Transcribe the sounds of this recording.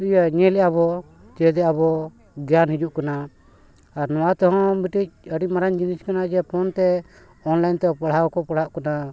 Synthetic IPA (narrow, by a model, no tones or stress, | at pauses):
ijaɲɛlɛjaβɔ | t͡ʃɛd̪ɛʔabɔ | ɡjanhid͡ʒuʔkana | aɾnɔwat̪ɔɦɔ̃biʈic̚əɽiʔmaɾaɲd͡ʒiniskanad͡ʒɛpʰɔnt̪ɛ | ɔnlajnt̪ɛpaɽ̤aɔkɔpaɽaʔkana